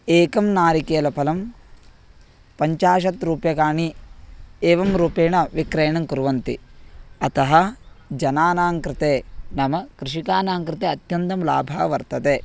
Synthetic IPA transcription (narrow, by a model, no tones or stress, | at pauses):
eːkɐmnaːɾikeːlɐpʰɐlɐm | pɐɲt͡ʃaːʃ̬ɐt̪ɾuːpjɐkaːɳi | eːʋɐmɾuːpeːɳɐʋikɾɐjɐɳɐmkuɾuʋɐnt̪ḭɐt̪ɐɦɐd͡ʒɐnaːnaːŋkɾɪt̪eːnɐmɐkɾɪʂikaːnaːŋkɾɪt̪eːɐt̪jɐnt̪ɐmla̰ːbʱa̰ːʋɐɾt̪ɐt̪eː